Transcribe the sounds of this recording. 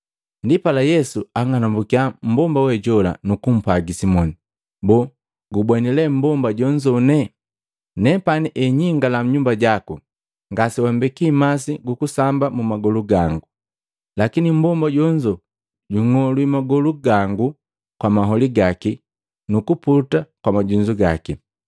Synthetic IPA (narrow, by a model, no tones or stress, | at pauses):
ndipalajɛsuaŋanambukiam̩bɔmbawɛɟɔla̰nukum̩paɡisimɔni | bɔ | ɡubɛnilɛm̩bɔmbaɟɔɲd͡ʒɔnɛ | nɛpaniʔɛɲiŋɡalam̩ɲumbaɟaku | ŋɡasiwambɛkimasiɡukusambamumaɡɔluɡaŋɡu | lakinim̩bɔmbaɟɔɲd͡ʒɔ | ɟuŋɔlwimaɡɔluɡaŋɡu | kwamaɦɔliɡaki | nukuputakwamaɟuɲd͡ʒuɡaki